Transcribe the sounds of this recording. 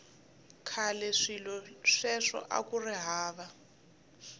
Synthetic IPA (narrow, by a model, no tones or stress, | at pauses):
kʰalɛʂilɔʂɛʂɔ̰ʔa̰kuriɦaːβa